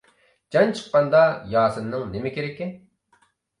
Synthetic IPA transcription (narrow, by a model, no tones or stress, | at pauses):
d͡ʒɑnt͡ʃʰə̥qːɑnd̪ɑjɑːsɨnːɨŋnemɪkʲeɾɛkʲːɪ